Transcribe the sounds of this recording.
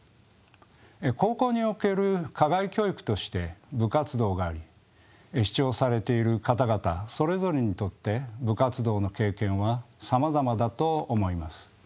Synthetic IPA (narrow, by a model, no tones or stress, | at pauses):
ko̞ːko̞ːɲ̟io̞ke̞ɾɯ̟kaɡaikʲo̞ːikɯ̟̥t̪o̞ɕi̥t̪e̞bɯ̟kat͡sɨd̪o̞ːɡaːɾʲi | ɕi̥t͡ɕo̞ːsaɾe̞t̪e̞iɾɯ̟kat̪aɡat̪a̰so̞ɾe̞zo̞ɾe̞ɲ̟it̪o̞t̪ːe̞bɯ̟kat͡sɨd̪o̞ːno̞ke̞ːkẽ̞ɰ̃βasamazamad̪at̪o̞ːmo̞imasɨ̥